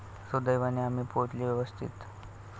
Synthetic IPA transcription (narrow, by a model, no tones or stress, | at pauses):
sod̪əjʋaniamipoʈ̪liʋjɛʋəst̪ʰḭt̪